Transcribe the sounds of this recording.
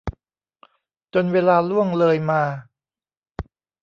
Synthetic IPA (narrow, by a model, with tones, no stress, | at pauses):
t͡ɕo˧nweː˧laː˧lu˥˩əŋlɤː˧jmaː˧